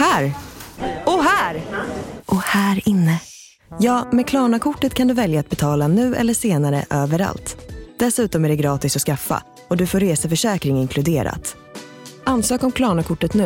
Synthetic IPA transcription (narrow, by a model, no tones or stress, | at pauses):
hæːɾ | ɔɦæːɾʔɔhæːɾɪnːə | jɑːmɛkʰlɑːɳakʰʊʈːət̪kʰand̪ɵvɛljaːt̪̚bɛt̪ʰɑːlanʉ̟ːɛ̰lːəʂeːnaɾə̰ʔøːvəɾa̰lt̪d̪̥ɛsʉ̟ːt̪ɔmæɖɛɡɾɑːt̪ɪsɔskafːa̰ | ɔd̪ɵfoːɾeːsafœʂɛːkɾɪŋɪŋkʰlɵd̪eːɾa̰t̪ | anːsøːkɔmkʰlɑːɳakʰʊʈːət̪nʉ̟ː